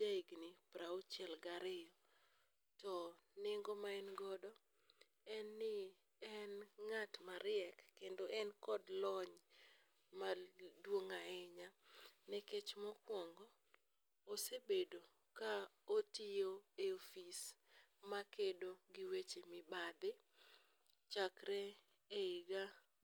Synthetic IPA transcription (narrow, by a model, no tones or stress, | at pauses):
d͡ʒaiɡnɪpɾaot͡ʃjɛlɡaɾɪjɔ | tɔnɪŋɡomaɛnɡɔdɔ | ɛnːɪ | ɛnŋatmaɾɪɛkːendoʔɛnkɔdlɔɲ | madwoŋaɛɲanɛket͡ʃmɔkwɔŋɡɔː | sebedo | kaotijoeofismakedoɡɪwet͡ʃemɪbad̪ɪ | t͡ʃakɾɛ | eɪɡa